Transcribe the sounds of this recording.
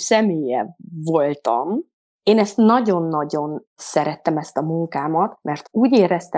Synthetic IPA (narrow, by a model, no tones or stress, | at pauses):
sɛmeːjɛvo̞lt̪ɒm | eːnɛst̪nɒɟo̞nːɒɟo̞n | sɛɾɛt̪ːɛmɛst̪ɒmuŋkaːmɒt̪mɛrt̪uːɟeːɾɛst̪ɛ